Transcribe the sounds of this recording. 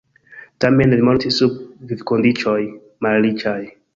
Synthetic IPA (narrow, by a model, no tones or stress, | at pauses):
tamenlimoltisub̚vivkondit͡ʃoj | malɾit͡ʃaj